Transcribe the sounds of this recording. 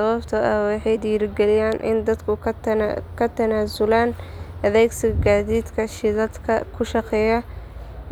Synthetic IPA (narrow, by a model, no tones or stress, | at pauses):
sɐβɐbt̪ʰɐɐwɑħɑjd̪iːɾɪɡɛlɪjaːnʔɪ̰nd̪ɐd̪kʰʊ | kʰɐt̪ʰɐnaːsʊlaːnɐðɛːɡsɪɣɐɡaːðiːd̪kʰɐʃɪðɐd̪kʰɐkʰʊʃɑqɛːjɐ